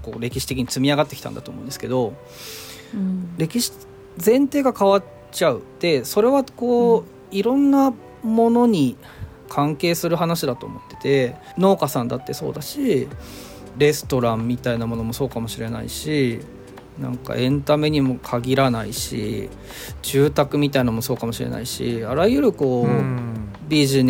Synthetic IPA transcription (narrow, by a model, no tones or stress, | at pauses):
ko̞̰ːɾe̞kʲiɕi̥t̪ekiɲ̟it͡sɨmʲiaɡat̪ːeki̥t̪a̰nd̪at̪oːmo̞ɯ̃nd̪esɨ̥ke̞d̪o̞ | ɾe̞kʲiɕi̥ | zẽ̞nt̪e̞ːɡakaβa | t͡ɕaɯ̟d̪̥e̞so̞ɾe̞βako̞ː | iɾõ̞nːa | mo̞no̞ɲ̟i | kʰãŋke̞ːsɨɾɯ̟ɦanaɕid̪at̪o̞̰ːmo̞t̪ːe̞t̪e̞ | no̞ːkasãnd̪at̪ːe̞so̞̰ːd̪aɕi | ɾe̞sɨ̥t̪o̞ɾãmːʲit̪ainamo̞no̞mo̞so̞ːkamo̞ɕiɾe̞na̰ḭɕi | nã̰ŋka̰ʔẽ̞nt̪ame̞ɲ̟imo̞kʰaɡʲiɾanaiɕḭ | d͡ʑɨːt̪akɯ̟mʲit̪ainamo̞so̞ːkamo̞ɕiɾḛna̰iɕḭaɾaiɯ̟ɾɯ̟ko̞ː | bʲiʑin